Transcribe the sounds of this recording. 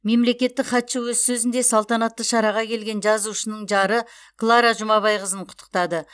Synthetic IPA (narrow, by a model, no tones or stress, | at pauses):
me̞mle̞kʲe̞t̪ːɪkχɑt̪ʃɪwɵzsɵzɪnd̪e̞sɑlˠt̪ɑnɑt̪ːəʃɑɾɑʁɑkʲʰe̞lɡʲe̞nʒɑzuʃənəɴʒɑɾə | klˠɑɾɑʒʊmɑβɑjʁəzəɴqʰʊ̥t̪ʰːə̥qt̪ɑd̪ə